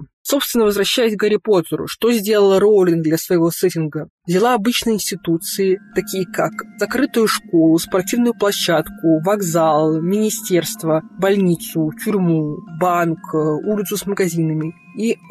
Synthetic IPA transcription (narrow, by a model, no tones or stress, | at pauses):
so̞pst̪vʲɪnːəvəzvɾɐɕːæjɪsʲɡəɾʲɪpo̞zəɾʊ̰ʂt̪o̞zʲdʲe̞lˠəlˠɾolʲɪnd̪lʲɐsvəjɪvo̞sɛtʲɪnɡəvzʲɪlˠaɐbɨt͡ɕnəjɪnʲsʲtʲɪt̪ut̪sɨɪt̪ɐkʲijəkakzɐkɾɨt̪ʊjʊʂko̞lˠʊspɐrtʲivnʊjʊplˠɐɕːat̪kʊvɐɡzalˠmʲɪnʲɪsʲtʲe̞rst̪vəbɐlʲnʲit̪sʊtʲʊɾʲmubankulʲɪt̪sʊsməɡɐzʲinəmʲɪ | i